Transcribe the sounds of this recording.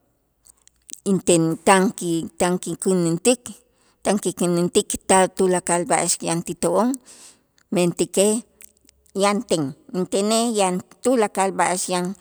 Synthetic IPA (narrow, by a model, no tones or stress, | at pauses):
int̪et̪aŋkit̪aŋkikinint̪ik | t̪aŋkikinint̪ikt̪aðt̪ulakalbaʔaʃjant̪it̪oʔoŋ | ment̪ike | jant̪eŋint̪enejant̪ulakalbaʔaʃjan